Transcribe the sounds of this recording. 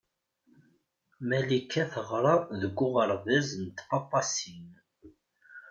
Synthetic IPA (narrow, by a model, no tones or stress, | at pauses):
mælikːæθəʁɾˤɑðəɡʷːʊʁəɾˤvæzənt̪qɑpˤːɑsin